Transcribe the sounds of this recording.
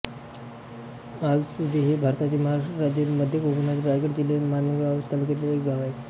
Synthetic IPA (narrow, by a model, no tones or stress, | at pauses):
ad͡zsud̪ʱiɦebʱaɾt̪at̪iːməɦaɾaʂʈɾad͡ʑiɾməd̪ʱːjəkobənat̪iɾajɡeʈd͡ʑilemanɡaʋt̪əlket̪leɾekɡaʋaj